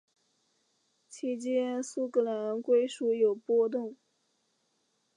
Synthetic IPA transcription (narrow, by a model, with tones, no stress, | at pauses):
t͡ɕʰi˧˥t͡ɕjɛ˥nsu˥kʰɤ˥˩la˧˥nkwe˥ɪʂu˧˥jo˨˩ʊpɔ˥t̪ʊ˥˩ŋ